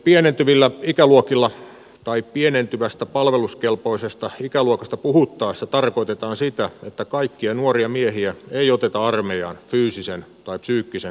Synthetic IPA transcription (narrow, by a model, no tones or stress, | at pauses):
pienent̪yʋilːæikæluokilːɑ | t̪ɑippienent̪yʋæst̪æpɑlʋeluskelpoisest̪ɑikæluokɑst̪ɑpuhut̪ːɑːst̪ɑt̪ɑrkoit̪et̪ɑːnsit̪æet̪ːækɑikːiɑnuoriɑmiehiæeiot̪et̪ɑɑrmejɑ̰ːnfyːsisent̪ɑipsyːkːisen